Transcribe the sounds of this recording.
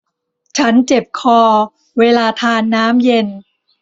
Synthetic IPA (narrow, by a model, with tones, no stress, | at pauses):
t͡ɕʰa˦˥nt͡ɕe˨˩p̚kʰɔː˧ | weː˧laː˧t̪ʰaː˧nːaː˦˥mje˧n